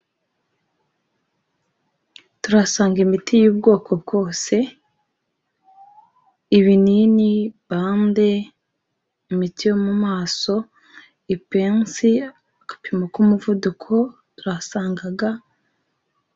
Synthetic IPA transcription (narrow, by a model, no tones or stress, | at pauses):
tuɾasaːŋɡimitʰijuːb̚ɡo̞ːkʰo̞b̚ɡo̞ːse̞ | iβininiβaːnde̞ | imitijo̞mumaːso̞ | ipe̞ːnsi | akḁpimokumuvudukʰo̞ | tuɾasaːŋɡaɡa